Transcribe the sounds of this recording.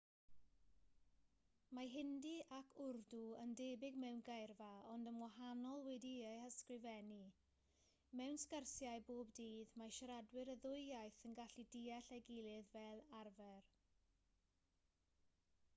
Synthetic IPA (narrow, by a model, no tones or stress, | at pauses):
maɦɪndiʔakʰʊrduəndeːbɪɡmɛwnɡajrvaɔndəmwaɦanɔlˠwɛdiehəskrɪvɛni | mɛwnskərsjaɨboːbdiːðmaʃaɾadwɪɾəðʊɨjajθənɡaɬidiːaɬɛɡɪlˠɪðvɛlˠarvɛr